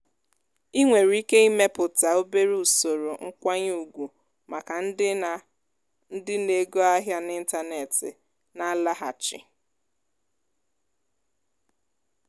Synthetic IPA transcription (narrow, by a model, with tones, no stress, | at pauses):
i˦ŋʷe˨ɾi˦ke˦i˦me˦pʊ˨ta˨o˦be˦ɾi˦u˨so˨ɾo˨ŋ̩˦kʷa˦ɲ˦u˨ɡʷu˨ | ma˨ka˨n̩˦ | n̩˦dɪ˦ne˨ɡo˦a˦ɦja˦nɪ˦n̩˦ta˦ne˨tɪ̰˨ | na˦la˦ɦa̰˨t͡ʃɪ̰˨